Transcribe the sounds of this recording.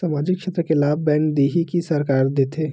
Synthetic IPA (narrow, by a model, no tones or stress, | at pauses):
saːmaːd͡ʒɪkːʃeːt̪ɾəkelaːbbɛ̃ːnd̪iːɦikisɐɾkaːɾd̪eːt̪ʰeː